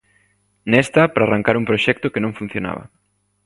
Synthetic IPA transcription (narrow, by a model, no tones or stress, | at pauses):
nɛst̪apɾaːraŋkaɾuŋpɾoʃɛk̚t̪okenõŋfun̟θjona̰βɐ̰